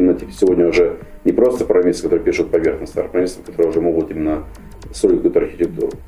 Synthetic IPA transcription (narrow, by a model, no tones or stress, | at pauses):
mʲɪnːətʲipʲsʲɪvodʲnʲəʊʐɛ | nʲɪpɾo̞st̪əpɾɐmʲisəkɐt̪oɨəpʲiʂʊt̪̚pɐvʲerxnəst̪a̰ɾpɾɐmʲesəmkɐt̪o̞ɾəjʊʐɛəmoɡʊt̪imʲɪnːə | soiɪt̪̚ʲkujut̪ɐrxʲɪtʲɪk̚t̪ṵɾʊ